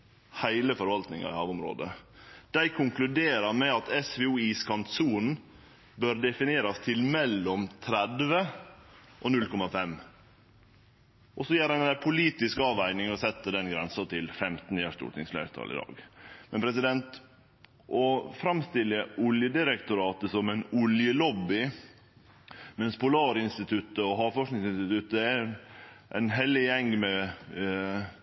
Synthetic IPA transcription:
hæɪləfɔɾʋɑlt̪nɪŋɑ̰ɪ̰hɑːʋʊmɾo̰ːd̪əd̪̥æɪkʰʊŋklʉd̪eːɾɑɾmɛɑt̪ɛsʋɛuːiːskʰɑnt̪suːn | bøːɾd̪ɛfɪneːɾɑst̪ʰɪlmɛlːɔmt̪ʰɾæd̪ʋə | ʔɔnʉlkʰɔmɑfɛm | ʔɔsɔjæːɾæɪnpʰʊliːt̪ɪskɑːʋæɪnɪŋɔsɛt̪ːəd̪ɛnɡɾɛnsət̪ɪlfɛmt̪n̩ɪæʂt̪ṵːʈ̪ɪŋsflæ̰ɪɾt̪ʰɑ̰lɪ̰d̪ɑ̰ːɡmɛnpʰɾɛsɪd̪ɛnt̪ | ʔɔfɾɑmst̪ɪləʔʊljəd̪ɪɾəkt̪ʊɾɑːt̪əsɔmɛnʊljəlɔbːɪ | mɛnspʰʊlɑːɾɪnst̪ɪt̪ʰʉt̪ːəɔɦɑfɔʂnɪŋsɪnst̪ɪt̪ʉt̪ːæ | ʔæ̰ɪnɦɛlːɪjɛŋːmɛ

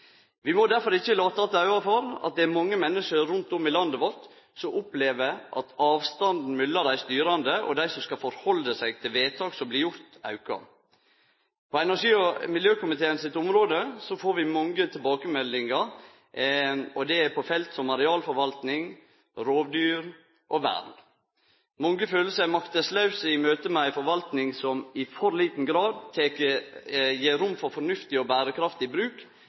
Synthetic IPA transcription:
ʋɪmɔd̪æɾfɔɾɪçːəlɑːt̪ɑt̪əɑʉɑfɔɾɑ̰t̪̚d̪ɛæɾmɑŋːəmɛnːəʂəɾʉnt̪ʊmɪlɑnd̪əʋɔɾt̪ | sɔmʔʊpleːʋəʔɑ̰t̪ɑːʋst̪ɑnd̪n̩mʏlːɑd̪æɪst̪yːɾɑnd̪əʔɔ̰d̪æɪsɔmskɑfɔɾhɔlːəsæɪɡt̪ʰɪlʋeːt̪ʰɑːksɔmblɪjʊɾt̪ɑ̰ʉkɑ̰ | pʰɔɛnæʂiːɔmɪljøːkʊmɪt̪ʰeːənsɪt̪ːʊmɾoːd̪əsɔfoːɾʋɪmɔŋːət̪ʰɪlbɑːkəmɛlːɪŋə | ɔd̪ɛæpʰɔfɛlt̪sɔmɑɾɛɑːlfɔɾʋɑlt̪nɪŋ | ɾoːʋd̪yːɾ | ʔɔʋæ̰ːɾn | mɔŋɡəføːləsəæmɑkt̪əslɑʉsəɪmøːt̪əmɛæɪfɔɾʋɑlt̪nɪŋsɔmɪfɔɾliːt̪n̩ɡɾɑːd̪̚t̪ʰeːkəjeːɾʊmːfɔɾfɔnʉft̪ɪɔbæːɾəkʰɾɑft̪ɪbɾʉːk

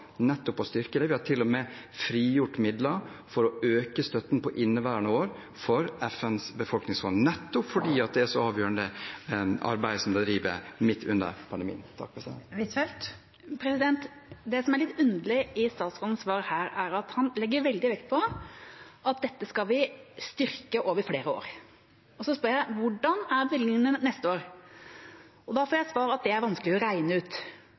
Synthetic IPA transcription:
nɛt̪ːɔpɔst̪ʏɾkəd̪ɛʋɪhɑʈʰɪlːɔmɛ | fɾiːjʊʈːmɪd̪lɑ | fɔɾɔøːkəst̪œt̪ːn̩pʰɔʔɪnːəʋæːɾəɳəoːɾ | fɔɾɛfɛnsbəfɔlknɪŋsfɔnnɛt̪ːʊpfɔɖiːɑt̪̚d̪ɛæɾʂɔɑːʋjøːɾəɳnd̪ə | ɑ̰ɾbæɪd̪sɔmd̪ɛd̪ɾiːʋə̰mɪt̪ʰːʉnːə̰ɾpʰɑnd̪əmḭːənt̪ʰɑ̰k̚ːfʰɛsɛɪt̪ɛlt̪ | pʰɾɛsɪd̪ɛnt̪ | d̪ɛsɔmæɾɭɪt̪ːʉnd̪əlɪɪst̪ɑːt̪sɡɑln̩sʋɑːɾhæːɾæɾɑt̪hɑnlɛɡːəɾʋɛld̪ɪʋɛkt̪̚pʰɔ | ʔɑt̪̚d̪ɛt̪ːəskɑlʋɪst̪ʏɾkəʔoːʋəɾfleːɾəo̰ːɾ | ɔsɔspœɾjæɪʋʊɖɑnæɾbʋɪld̪nɪŋənənɛst̪əoːɾ | ɔd̪ɑfoːɾjæɪsʋɑːɾəɑt̪̚d̪ɛæɾʋɑnskəlɪɔɾæɪnəʉːt̪

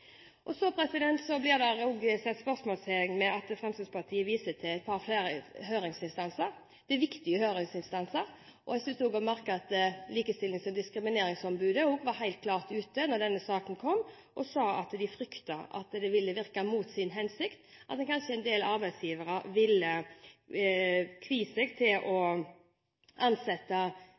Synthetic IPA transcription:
ʔɔsɔpʰɾɛsɪd̪ɛnt̪sɔblɪʁd̪ɛɾuɡəsɛt̪ːspœʁsmɔːlseɪŋmɛɑt̪fɾɛmst̪əspɑʁt̪ʰiːəʋiːsət̪ʰɪlæɪt̪̚pʰɑɾflæːɾəɦøːɾɪŋsɪnst̪ɑnsəɾ | d̪̥ɛʋɪkt̪ɪɡəhøːɾɪŋsɪnst̪ɑnsəɾ | ʔɔ̰ɛsʉst̪uːɡɔmæɾkəɑt̪liːkəst̪ɪlɪŋsɔmd̪ɪskɾɪmɪneːɾɪŋsɔmbʉːd̪əuɡʋɑɾɦæɪlt̪̚kʰlɑːʁt̪ʉːt̪ənɔʁd̪ɛnːəsɑːkənkʰɔmː | ʔɔsɑːɑt̪d̪ɪfɾʏkt̪ɑʔɑ̰t̪d̪ɛʋɪlːəʋɪʁkɑmuːt̪sɪnɦɛnsɪkt̪ | ʔɑt̪d̪ɛnkʰɑnʂəɛnd̪eːlɑɾbæɪsjiːʋəɾəʋɪlːə | kʰʋiːsɛɡt̪ʰɪlʔɔ | ʔɑnsɛt̪ːɑ

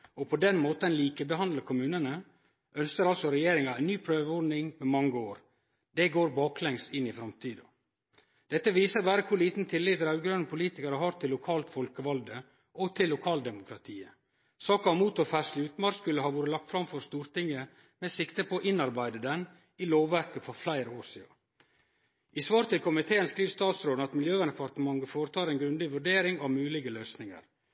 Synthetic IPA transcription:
ɔpʰɔd̪ɛnmoːt̪əɛnliːkəbəɦɑnd̪ləkʰʊmʉːnənə | ʔœnskəɾɑlsɔɾɛjeːɾɪŋɑæɪnyːpʰɾøːʋəɔɾnɪŋmɛmɑŋːəoːɾ | d̪̥ɛɡoːɾbɑːklɛŋst̪ɪnːɪfɾɑmt̪ʰiːd̪o | d̪̥ɛt̪ːəʋiːsəɾʋæːɾəkʰʊɾɭiːt̪n̩t̪ʰɪlːɪəɾɑʉɡɾœnəpʰʊliːt̪ɪkəɾəɦɑɾt̪ʰɪlːʊkʰɑːlt̪fɔlkəʋɑld̪ə | ʔɔt̪ʰɪlːʊkʰɑːld̪ɛmʊkʰɾɑt̪ʰiːə | sɑːkɑmuːt̪ɔfæʂlɪʉːt̪mɑɾskʉlːəhɑːʋoːɾəlɑk̚t̪fɾɑmfɔɾst̪uːɾt̪ɪŋːə | mɛsɪkt̪əpʰɔːʔɪnɑɾbæɪd̪əd̪ɛn | ɪloːʋʋæɾkəfɔɾflæɪɾəoːɾsiːɑ̰ | ɪsʋɑːɾt̪ʰɪlkʰʊmɪt̪ʰeːənskɾiːʋst̪ɑːt̪sɾoːd̪n̩ɑt̪mɪljøːʋænd̪ɛpʰɑɾt̪əmɑŋɡəfoːɾət̪ʰɑːɾɛnɡɾʉnd̪ɪʋʉɖeːɾɪŋɑʋmʉːlɪɡəløːsnɪŋə̰ɾ

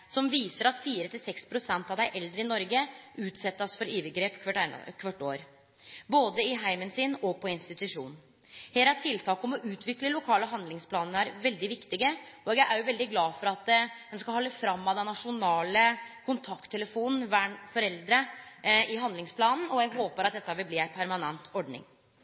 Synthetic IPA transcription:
sɔmʋiːsəɾɑt̪fiːɾət̪ʰɪlsɛkspʰɾʊsɛnt̪ɑʋd̪æɪʔɛld̪ɾəɪnɔɾɡəʉːt̪sɛt̪ːɑsfɔɾiːʋəɡɾeːpɪ̰kʰʋɑʈːo̰ːɾ | boːd̪əɪɦæɪmənsɪnɔpʰɔɪnst̪ɪt̪ʉʂṵːnn | heːɾæʈ̪ʰɪlt̪ʰɑːkɔmɔʔʉːt̪ʰʋɪkləlʊkʰɑːləɦɑnd̪lɪŋspʰlɑːnn̩æɾʋɛld̪ɪʋɪkt̪ɪɡəɔɡjæɪʔæɾjʊʋɛld̪ɪɡlɑːfɔɾɑt̪d̪ɛnskɑhɔlːəfɾɑmːɑd̪ɛnːɑʂʊnɑːləkʰʊnt̪ʰɑkt̪ʰːɛləfuːnn̩ʋæːɳfɔɾɛld̪ɾəɪɦɑnd̪lɪŋspʰlɑːnn̩ɔjæɡɦoːpəɾɑt̪̚d̪ɛt̪ːɑʋɪlb̪iːæɪpʰæɾmɑnɛnt̪ʰɔɖɳɪ̰ŋ

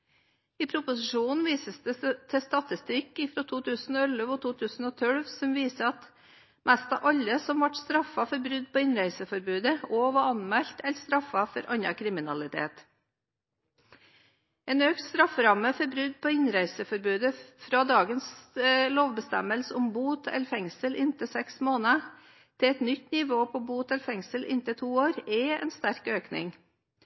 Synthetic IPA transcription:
iːpʰɾʊpʊsɪʂuːnn̩ʋiːsəsd̪ət̪ʰɛst̪ɑt̪ɪst̪ɪkɪfɾɔt̪ʰuːt̪ʰʉːsn̩ɔɛləʋɔt̪ʰuːt̪ʰʉːsn̩ɔːt̪ʰœɽʋsɔmʋiːsəɑt̪ | mʔæst̪ɑ̰ʋʔɑʎːəsɔmʋɑʈst̪ɾɑfːɑfɔɾbɾʉd̪̚poːɪnɾæɪsəfɔɾbʉːd̪əoːʋɑɑnmæʎt̪ɛlst̪ɾɑfːɑfɔɾʔɑnɑkʰɾɪmɪnɑlɪt̪ʰḛːt̪ | eːnøːkt̪st̪ɾɑfːəɾɑməfɔɾbɾʉd̪pʰoːɪnɾæɪsəfɔɾbʉːd̪əfɾɑːd̪ɑːɡənsloːʋbəst̪æ̰məlsəʊmbuːt̪ʰɛ̰ləɾfɛŋsəlʔɪnt̪əsɛksmoːnə | t̪ʰɪɛt̪nʏt̪ːnɪʋoːpʰɔbuːt̪ɛləfɛŋsəlʔɪ̰nt̪ət̪ʰuːoːɾɛɛ̰ːnst̪æɾkøːknɪ̰ŋ

